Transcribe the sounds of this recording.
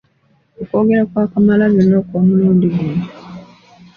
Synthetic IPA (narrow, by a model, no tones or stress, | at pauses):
okoːɡeɾakwaːkamalaβjonːokoːmuluːndiɡuːni